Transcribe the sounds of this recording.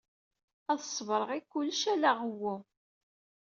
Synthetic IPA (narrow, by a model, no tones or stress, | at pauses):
æðəsˤːvɾˤəʁikʷːʊlːʃælaʁəwu